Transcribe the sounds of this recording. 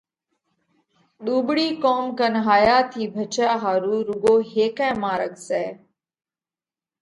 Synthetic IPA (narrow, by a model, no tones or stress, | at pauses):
ɗuːbɽiːkoːmkənɦaːjaːt̪ʰiːbʱət͡ʃaːɦaːɾuːɾʊɡoːɦeːkɛ̃ːmaːɾəɡsɛː